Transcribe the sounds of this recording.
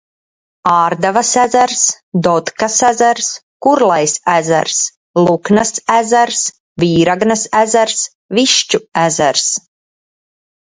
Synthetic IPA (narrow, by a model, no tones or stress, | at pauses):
aːɾd̪avasæzæɾs | d̪ɔt̪kasæzæɾs | kuɾlˠajsæzæ̰ɾs | lˠuknasæzæɾs | viːɾaɡnasæzæɾs | viʃt͡ʃuæzæɾs